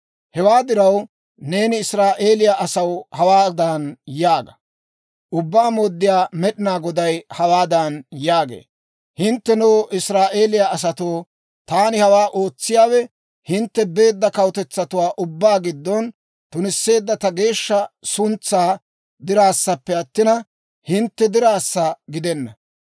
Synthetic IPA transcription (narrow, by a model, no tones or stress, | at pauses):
hɛwaːd̪ɪɾɐw | ne̞ːnɪɪsɾaːʔe̞ːlɪjaʔɐsɐwhɐwaːd̪ɐnjaːɡɐ | ʔʊbːaːmoːd̪ːɪjaːmɛɗɪnaːɡɔd̪ɐjhɐwaːd̪ɐnjaːɡḛː | hɪnt̪ːɛnoːʔɪsɾaːʔe̞ːlɪjaɐs̬ɐt̪oː | t̪aːnɪhɐwaːʔo̞ːt͡sːɪjaːwɛ | hɪnt̪ːɛbe̞ːd̪ːɐkɐwt̪ɛt͡sːɐt̪ʊwaːʔʊbːaːɡɪd̪ːɔn | t̪ʊnɪsːe̞ːd̪ːɐt̪ɐɡe̞ːʃːɐsʊnt͡sːaː | d̪ɪɾaːsːɐpːɛɐt̪ːɪnɐ | hɪnt̪ːɛd̪ɪɾaːsːɐɡɪd̪ɛnːɐ